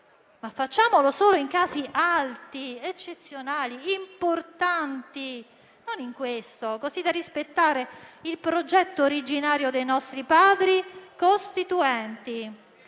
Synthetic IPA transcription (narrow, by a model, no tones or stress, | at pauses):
mafːat͡ʃːaːmolosoːloiŋkaːziʔalt̪iet͡ʃːet̪sːjonaːliimport̪ant̪i | noniŋkwest̪okozid̪arispet̪ːaːɾeilpɾod͡ʒɛt̪ːoːɾid͡ʒinaːɾjod̪ejnɔst̪ɾipaːd̪ɾikost̪it̪uɛnt̪i